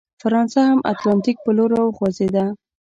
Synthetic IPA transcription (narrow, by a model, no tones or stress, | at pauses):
faɾɑnsahamʔa̰t̪lɑnt̪ik̚pəloɾawxwazed̪a